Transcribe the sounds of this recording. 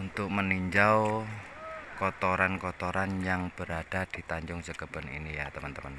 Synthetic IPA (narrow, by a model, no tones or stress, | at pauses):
unt̪ʊk̚məniɲd͡ʒaw | kɔt̪oɾankɔt̪oɾanjaŋb̥əɾaɖ̥a̤d̪̥i̤t̪aɲd͡ʒʊŋt͡ʃəɡ̥ə̤b̥ə̤nḭnijat̪əmənt̪əmən